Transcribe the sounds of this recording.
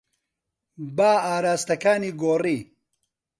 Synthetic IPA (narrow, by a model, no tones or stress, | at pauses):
baːaːɾaːst̪ɐkaːniːɡoːriː